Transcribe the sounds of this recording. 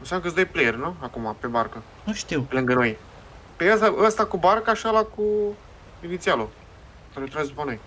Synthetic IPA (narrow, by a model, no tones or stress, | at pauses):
ɨnsamnəkəɨsd̪əjplejerʲnuakumape̞barkə | nuʃt̪iwpelɨŋɡəno̞j | peəsaʔəst̪akubarkaʃialaku | init̪sialo | k̪aɾet̪ɾazd̪upano̞j